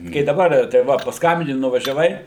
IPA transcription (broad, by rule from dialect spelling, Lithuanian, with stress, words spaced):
kɐɪ dɐˈbɐr tɐɪ ˈʋɐ pɐsˈkɐmʲbʲɪnʲɪ nʊʋɐʒʲɛˈʋɐɪ